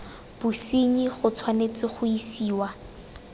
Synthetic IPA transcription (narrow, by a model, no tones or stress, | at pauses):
b̥usiɲiχʊt͡sʰwanet͡sɪχʊisiːwa